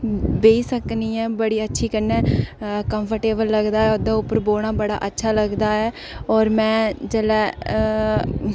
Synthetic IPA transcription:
beːiːsəkniːɛ̃ːbəɽiːətːʃʰiːkənːɛ̃ːkəmpʰəɾʈeːbəlːəɡd̪aːɛːod̪aːʊpːəɾboːɳ̃aːbəɽa̰ːʔətːʃʰaːləɡd̪aːɛː | ɔːɾmɛ̃ːd͡ʒɛːlɛː

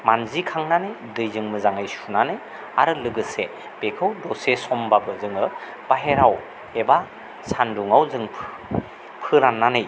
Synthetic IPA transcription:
manzikʰaŋnanɯj | dɯjzɯŋmɯzaŋɯjsunanɯj | a̰ɾɯlɯɡɯse | b̥ekʰɯwdɔsesɔmbabɯzɯŋɯ | b̥aɦeɾaw | eba | sanduŋawzɯŋʰ | pʰɯɾanːanɯj

